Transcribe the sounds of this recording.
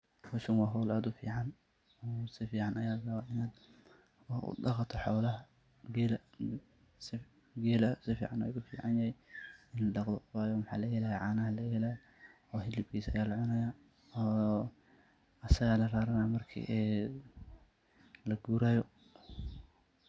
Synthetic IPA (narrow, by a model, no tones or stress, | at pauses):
wʊʃʊnwɑːɦɔwlaːd̪ʊfḭːʕɑn | ɔːsɪfiːʕɑnʔɐjaːlɐɾɐwaʔɪnaːd̪ | wɑħʔʊ̰dɑqɑt̪ʰɐħɔːlɐɦɐ | ɡɛl | sɪ | ɡɛːlɐsɪfḭːʕɑnɔ̰jʊfḭːʕɑnjɐhɛjɪnlɐɗɑqd̪ɔfaːjɔmħɑ̰ːlɐɡɛːlajɛʕaːnɐɦɐlɐɡɛlaj | ɔːɦɪlɪb̚kʰiːsɐ̰jaːlɐʕʊnɐjaː | ɔː | ɐsɐɣaːlɐraːɾɐnamɐrkʰḭʔɛː | lɐɡuːɾaːjɔ